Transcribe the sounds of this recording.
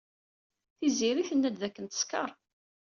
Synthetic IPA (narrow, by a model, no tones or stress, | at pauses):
θiziɾiθənːæd̪ðækːənt̪ə̥skə̰ɾˤ